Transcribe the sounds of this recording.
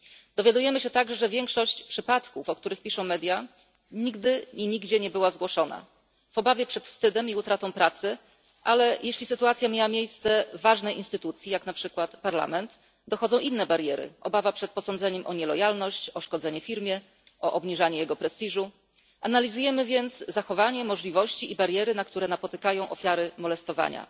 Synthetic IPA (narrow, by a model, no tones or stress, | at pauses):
d̪ɔvʲjad̪ujɛmɘɕɛt̪aɡʐɛʐɛvʲjɛŋkʂɔɕt͡ɕpʂɘpat̪kufɔk̚t̪uɾɘxpʲiʂɔ̃mɛd̪ʲja | ɲiɡd̪ɘɲiɲiɡd͡ʑɛɲɛbɘwazɡwɔʂɔna̰ | v̥ɔbavʲjɛpʂɛt̪fst̪ɘd̪ɛmiut̪ɾat̪ɔ̃w̃pɾat̪sɘ | ʔalɛjʔeɕlʲisɘt̪uat̪sʲjamʲjawamʲjejst̪sɛvaʐnɛjʔinst̪ɘt̪ut̪sʲjijaknapʂɘkwat̪paɾla̰mɛnt̪ | d̪ɔxɔd̪zɔ̃w̃ʔinːɛbaɾjɛɾɘ̰ʔɔ̰bavapʂɛt̪pɔsɔnd̪zɛɲɛmʔɔɲɛlɔjalnɔɕt͡ɕɔʂkɔd̪zɛɲɛfʲiɾmʲjɛ | ʔɔʔɔbɲiʐaɲɛjɛɡɔpɾɛst̪iʐu | ʔanalʲizujɛmɘvʲjɛnt̪szaxɔvaɲɛmɔʐlʲivɔɕt͡ɕiʔibaɾjɛɾɘnakt̪uɾɛnapɔt̪ɘkajɔ̃w̃ʔɔfʲjaɾɘmɔlɛst̪ɔva̰ɲa̰